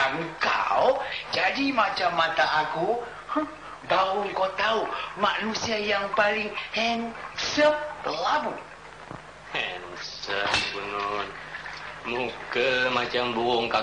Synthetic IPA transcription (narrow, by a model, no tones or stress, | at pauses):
aŋka̰wd͡ʒadimat͡ʃamːãt̪aʔaku | h | bauŋkowt̪aumaʔnusiajaŋpalɪŋhɛnsəp̚əlamu | hɛnsəp̚ɡunɔn | mukəmat͡ʃambuɔŋka